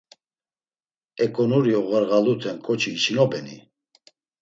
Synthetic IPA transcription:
ɛkʼɔnuɾiɔɣəɾɣalut̪ʰɛnkʼɔt͡ʃʰiːt͡ʃinɔbɛnḭ

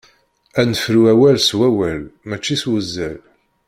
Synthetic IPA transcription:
ænəfɾuæwælswæwælmæt͡ʃːiswəzːæl

